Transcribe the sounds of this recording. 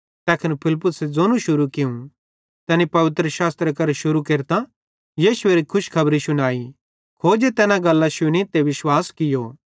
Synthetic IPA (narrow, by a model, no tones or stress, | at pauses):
t̪ɛːkʰɐnpʰɪlpʊsed͡zoːnũʃʊɾukɪũ | t̪ɛːnipɐʋɪt̪ɾəʃaːst̪ɾekɐɾʃʊɾukeːɾt̪a | jiːʃʊeːɾikʰʊʃkʰɐbɾisʊnaːi | kʰoːd͡ʒet̪ɛːnãɡɐlːãʃʊnit̪eʋɪʃwaːskɪjoː